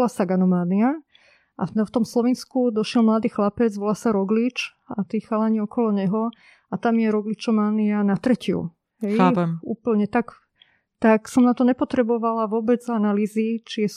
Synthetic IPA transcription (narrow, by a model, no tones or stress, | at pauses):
lasaɡanɔmaːnia | ʔa̰ft̪ɔmslɔʋiːnskud̪ɔʃɪɛlmlaːd̪iːxlapɛd͡zʋɔlasaɾɔɡlit͡ʃ | at̪iːxalaɲiɔkɔlɔɲɛɦɔ | at̪amjɛɾɔɡlit͡ʃɔmaːnianat̪ɾɛcɪṵ | ɦɛjaːpɛmṵːpl̩ɲɛt̪ak | t̪aksɔmnat̪ɔɲɛpɔt̪ɾɛbɔʋalaʋʊɔbɛd͡zanaliːzit͡ʃiɛ